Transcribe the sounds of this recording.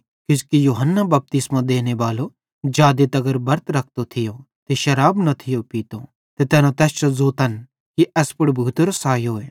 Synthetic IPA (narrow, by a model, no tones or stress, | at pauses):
kɪskijuːɦənːabɐp̚t̪ɪsmãd̪eːneʋaːlo | d͡ʒaːd̪et̪ɐɡəɾbɐɾt̪ɾɐk̚ʰt̪ot̪ʰɪjo | t̪eʃɐɾaːbnɐt̪ʰɪjopiːt̪o | t̪et̪ɛːnãt̪ɛːst͡ʃozoːt̪ɐn | kiʔɛspʊɽbʱuːt̪ɾosaːjɦoːeː